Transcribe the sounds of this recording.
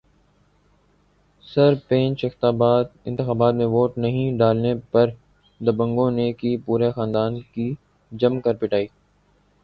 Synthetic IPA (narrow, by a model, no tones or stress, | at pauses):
sɐɾpẽːnt͡ʃɪxt̪aːbaːt̪̚ɪ̃nt̪ɪxaːbaːt̪mẽʋoːʈnɐɦĩɖaːlnepɐɾ | d̪ɐbə̃ŋɡõnekipuːɾexãːnd̪aːnki | d͡ʒɐmkɐɾpɪʈaːiː